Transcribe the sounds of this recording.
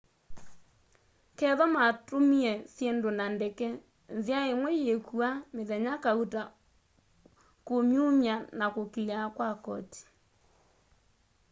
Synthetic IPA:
kɛðɔmatomiɛsjendonandɛkɛ | nzjaemwɛjekuameðɛɲakauta | komjumjanakokiakwakɔ̰ti̥

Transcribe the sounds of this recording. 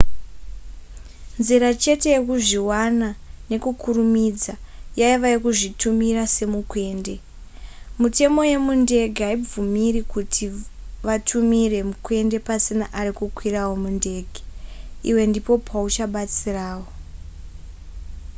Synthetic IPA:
nziɾat͡ʃe̞te̞je̞kuʐiwanane̞kukʰurumid͡zajaiʋajekuʐitumirase̞mukwe̞ːnde̞ | mute̞mo̞je̞munde̞ɡʱeaib͡vumirikutʰi | ʋatʰumire̞mukwe̞nde̞pasinaʔarikukwirawo̞munde̞ːɡʱe̥iwe̞ndipo̞pʰaut͡ʃaɓat͡siraːwo̞

